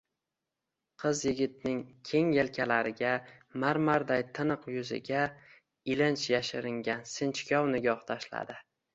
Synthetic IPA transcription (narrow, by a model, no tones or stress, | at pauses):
qʰɨzjɪɡʲɪt̪̚nɪŋkʲʰe̞ŋjelkʲʰalaɾɪɡʲamaɾmaɾd̪ajt̪ʰɪnɨqjʊzɪ̰ɡʲa | ɪlɪnt͡ʃʰjaʃɪɾɪŋɡʲansɪnt͡ʃkʲɒwnɪɡʲɒχt̪ʰaʃla̰d̪ɪ